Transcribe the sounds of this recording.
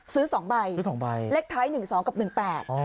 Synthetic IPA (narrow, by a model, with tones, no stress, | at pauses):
sɯː˦˥sɔː˩˦ŋba˧jɯ˦˥sɔː˩˦ŋba˧jle˦˥k̚t̪ʰaː˦˥jnɯ˨˩ŋsɔː˩˦ŋka˨˩p̚nɯ˨˩ŋpɛː˨˩t̪̚ɔ˧˩